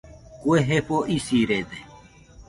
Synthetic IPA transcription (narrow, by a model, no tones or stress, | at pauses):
kweɦepoːʔisiːɾeːd̪e